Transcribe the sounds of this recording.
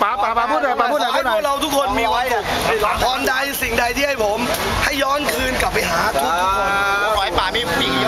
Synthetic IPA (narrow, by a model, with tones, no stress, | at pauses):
a˨˩˧uː˥˩a˧a˧˥˩ɯ˥˧˥pʰɾa˧wt̪ʰu˦˥kʰo˧nmiː˧wa˧˥jp̪ʰɔː˨˧nda˧jsi˨˩ŋda˧jt̪ʰiː˥˩ha˥˩jpʰo˩˦m | ha˥˩jːɔː˦˥˩nkʰɯː˧nka˨˩p̚ːa˧jɦaː˩˦t̪ʰu˦˥˦tʰu˥kʰːo˧n˦˧ɔ˨˦paː˨˩ni˦˥˩i˨˩